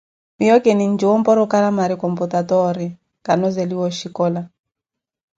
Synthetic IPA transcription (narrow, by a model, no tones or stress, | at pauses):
mijɔkɛnind͡ʒɔwɔmpɔɾɔkaɾamaɾikɔmputatɔɾɛ | kanɔzɛliwɔʃikɔla